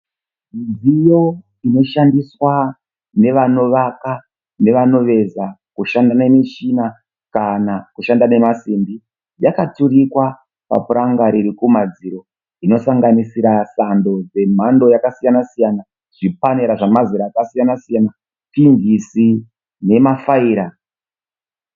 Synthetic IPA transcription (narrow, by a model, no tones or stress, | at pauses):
iijo̞ | ino̞ʃandiswa | ne̞ʋano̞ʋaka | ne̞ʋano̞ʋe̞zakuʃandane̞miʃiːna | kanakuʃandane̞masiːmbi | jakaturikwa | pa̰puɾaŋɡaɾiɾikumad͡ziɾo̞ | ino̞saŋɡanisiɾasando̞d͡ze̞m̤ando̞jakasijanasijana | ʐ̥ipaneɾaʐamaziɾaːkasijanasijana | tinvisi | ne̞mafaiːɾa